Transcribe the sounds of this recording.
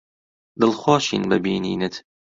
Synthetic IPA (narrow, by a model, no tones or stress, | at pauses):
d̪ɨlˠxwɑːʃḭːnbɐbiːnḭːnɨt̪